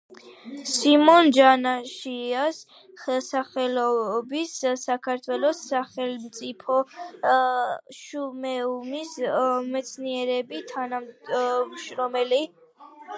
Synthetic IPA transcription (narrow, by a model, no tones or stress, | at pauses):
simɔnd͡ʒanaʃias | χɛlˠsaχɛlɔbisːakʰaɾt̪ʰwɛlˠɔsːaχɛlmt̪sʼipʰɔ | ʃumɛumismɛt̪sʰniɛɾɛbit̪ʰanam | ʃɾɔmɛli